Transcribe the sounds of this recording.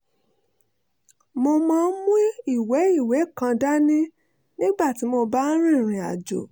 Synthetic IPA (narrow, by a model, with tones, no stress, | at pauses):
mo˧mãː˦˧˦mũ˦i˦˨we˨˦i˦˨we˨˦kã˧da˦nĩ˦ | nĩ˦ɡ͡ba˦˨ti˨˦mo˧ba˦ɾ̃ĩ˦˨ɾ̃ĩ˨a̰˨d͡ʒo̰˨